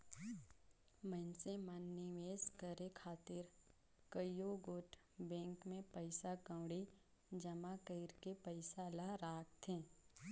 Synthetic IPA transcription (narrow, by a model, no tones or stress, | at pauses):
mənsemənːɪʋeːskəɾekʰaːt̪ɪɾ | kəjoɡoːʈ | bɛ̃ːŋkmẽpəɪsakə̃ːɽi | d͡ʒəmakəɪɾkepəɪsalaɾaːk̚t̪ʰẽː